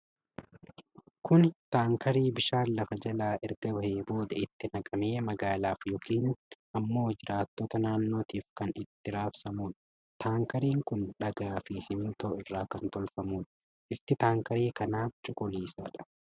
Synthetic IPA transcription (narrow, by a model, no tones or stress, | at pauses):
kʊnt̪aːŋkɐɾiːbɪʃaːnlɐfɐd͡ʒɐlaːʔɛɾɡɐbɐheːbo̞ːd̪ɐɪt̪ːɪnɐkʼɐmeːmɐɡaːlaːfjɔkiːnʔɐmːo̞ːd͡ʒɪɾʔaːt̪ːoːt̪ɐnaːnːo̞ːt̪iːfkɐnɪt̪ːɪɾaːfsɐmuːᶑɐ̥ | t̪ʰaːŋkɐɾiːŋkʊnᶑɐɡaːfiːsɪmɪnt̪oːɪrːaːkɐnt̪ɔlfɐmuːᶑɐ | ʔɪft̪ɪt̪aːŋkɐɾeːkɐnaːt͡ʃʼʊkʼʊliːsaːᶑɐ̥